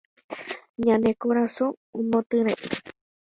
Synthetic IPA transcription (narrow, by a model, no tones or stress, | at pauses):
ɲãnekoɾasõõmõt̪ɨɾeʔi